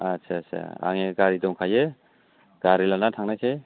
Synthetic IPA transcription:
asʰesḛa̰ŋeɡaɾidɔŋkʰaje | ɡ̥aɾilanatʰaŋnajkʰe

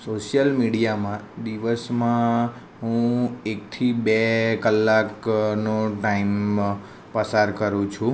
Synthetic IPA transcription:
soʃjəlmiɽijamãd̪iʋəsmã | ɦũek̚t̪ʰibekəlːaknoʈaim | pəsaɾkəɾũt͡ʃʰũ

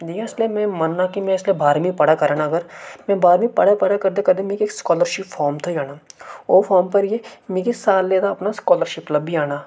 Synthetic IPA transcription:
d̪ijãɪslemɛ̃mɐnːakimɛ̃ɪslebʱaːɾmipɐɽakɐɾaːnaɡəɾmɛ̃bʱaːɾmĩpɐɽapɐɽakɐɾd̪ekɐd̪emẽːkeːkskɔːləɾʃɪpfʰɔːɾmt̪ʰojaːnaːoːfʰɔːɾmpɐɾjemẽːkisaːlːeːd̪aɐpnaskɔːləɾʃɪplɐbːʱiaːnaː

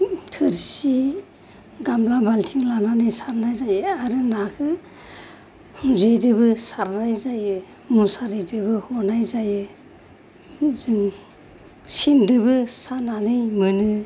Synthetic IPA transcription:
tʰɯɾsi | ɡamlabaltʰiŋlananɯjsaɾnajzajɯaɾɯnakʰɯ | huzejdɯbɯsaɾnajzajɯ | musaɾidɯbɯhɔnajzajɯ | zɯŋ | sindɯbɯsananɯjmɯnɯ

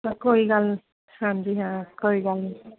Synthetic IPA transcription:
kojɡal | sandiɦãkojɡal

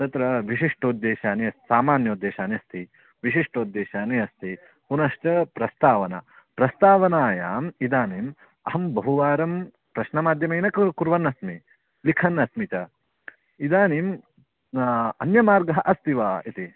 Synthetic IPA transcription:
t̪ɐt̪ɾɐʋiʃiʂʈʰod̪ːeːʃaːniɐst̪saːmaːnjɐud̪ːeːʃaːniɐst̪ʰi | ʋiʃiʂʈʰoːd̪ːeːʃaːniɐst̪ʰi | punɐʃt͡ʃɐpɾɐst̪aːʋɐnɐ̰ | pɾɐst̪aːʋɐnaːjaːmid̪aːnim | ɐɦɐmbɐɦuʋaːɾɐm | pɾɐʃnɐmaːd̪ʱjɐmɐjnɐkkuɾʋɐnːɐsmi | likʰɐnːɐsmit͡ʃɐ | id̪aːnim | ɐnjɐmaːɾɡɐɦɐʔɐst̪iʋaːit̪i

